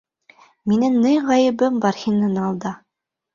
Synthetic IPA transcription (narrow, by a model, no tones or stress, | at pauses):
minɘŋnɤjʁɑjɘ̆bɘmbɑrxʲinɤnɑlˠd̪ɑ